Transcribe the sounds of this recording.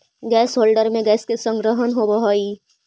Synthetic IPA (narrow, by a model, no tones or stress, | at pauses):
ɡɛːsɦoːlɖəɾmẽɡɛːskesə̃ŋɡɾəɦənɦobəɦoːiː